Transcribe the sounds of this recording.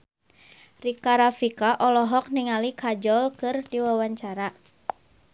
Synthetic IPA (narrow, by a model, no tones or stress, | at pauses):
rikaɾafikaʔɔlɔɦɔk̚niŋalikʰad͡ʒɔlkɨrdiwawaɲt͡ʃaɾa